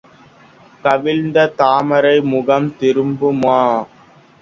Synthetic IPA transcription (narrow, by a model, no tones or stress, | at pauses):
kɐʋɪlnd̪ɐt̪aːmɐɾɐɪmʊɣɐmt̪ɪɾɯmbɯmaː